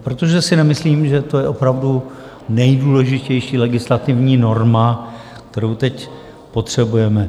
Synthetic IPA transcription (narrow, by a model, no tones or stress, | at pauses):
pɾot̪o̞ʒɛsɪnɛmɪsliːmʒɛt̪o̞jɛʔo̞pɾavdu | nɛjduːlɛʒɪcɛjʃiːlɛɡɪslat̪ɪvɲiːno̞ɾma | kt̪ɛɾowt̪ɛc | po̞t̪r̝̥ɛbujɛmɛ